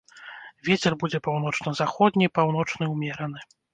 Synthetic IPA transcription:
vʲɛt͡sʲɛrbud͡zʲɛpawnɔt͡ʂnɐzaxɔd̪̚ʲnʲiipawnɔt͡ʂnɨwmʲɛɾɐnɨ

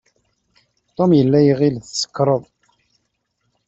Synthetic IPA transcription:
t̪ˤːomjəlːæjʁilθsə̥kːɾˤəðˤ

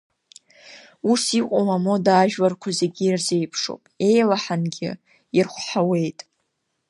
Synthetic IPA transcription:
usiqʼowamo̞daʒᶣwarkʷʰazeɡʲiːrze̞jpʰʂo̰wpʼe̞jlaħanɡʲɪ̰ | irχʷħawe̞jtʼ

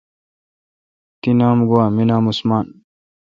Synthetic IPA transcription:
t̪inaːmɡowaːminaːmusmaːn

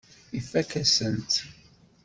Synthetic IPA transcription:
ifækæsənt̪

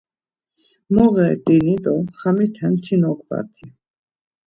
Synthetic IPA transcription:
mɔʁɛt̪ʼinit̪ʼɔχamit̪ʰɛnt̪ʰinɔkʰʼba̰t̪ʰi

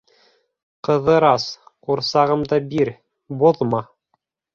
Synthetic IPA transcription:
qɤ̆ðɤɾɑsquɾsɑʁɤmd̪ɑbiɾ | boðmɑ

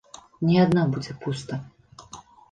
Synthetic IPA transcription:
nʲiad̪nabud͡zʲɛpust̪ɐ

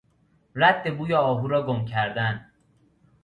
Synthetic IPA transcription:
ɾæd̪ːe̞buːjɒːɒːɦuːɾɒːɡomcʰæɾd̪æn

